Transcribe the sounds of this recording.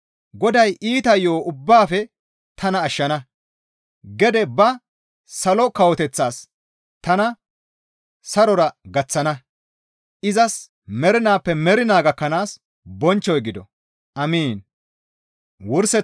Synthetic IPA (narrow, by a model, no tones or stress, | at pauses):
ɡɔd̪ɐjiːt̪ɐjːoːʊbːaːfɛ | t̪ʰɐnɐːʃːɐnɐ | ɡɛd̪ɛbɐ | sɐlɔkɐwɔt̪ɛt͡sːaːs | t̪ɐnɐ | sɐɾɔɾɐɡɐt͡sːɐnɐ | ʔɪzɐs | mɛɾɪnaːpːɛmɛɾɪnaːɡɐkːɐnaːs | bɔnt͡ʃːɔjɡɪd̪ɔ̰ | ʔɐmiːn | wʊɾsɛ